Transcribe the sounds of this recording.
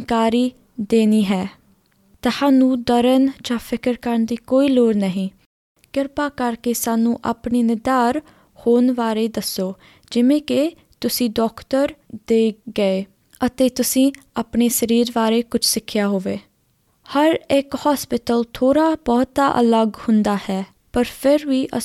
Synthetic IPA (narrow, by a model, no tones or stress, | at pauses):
kaːɾiː | d̪eːniːɦɛː | t̪asaːnũːd̪əɾənd͡ʒãːpʰɪkəɾkəɾənd̪iːkoːiːloːɽnəɦĩː | ɡɪɾpaːkəɾkeːsaːnũːʔaːpniːnɪd̪aːɾ | hoːnʋaːɾeːd̪əsːoː | d͡ʒɪʋẽːke | t̪ʊsĩːɖɔːkt̪əɾd̪eːɡəeː | ət̪eːt̪ʊsĩː | aːpɳeːsəɾiːɾʋaːɾeːkʊt͡ʃʰsɪkʰːɪjaːɦoːʋeː | həɾɪkhaːspɪʈəlt̪ʰoːɾaːbɔːt̪aːʔə̰ləɡhʊnd̪aːhɛː | pəɾpʰɪɾʋiːʔə